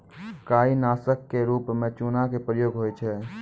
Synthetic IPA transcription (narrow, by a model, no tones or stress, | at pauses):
kaːinaːsəkːeɾuːpmẽt͡ʃunakepɾəjoːɡɦojt͡ʃʰɛ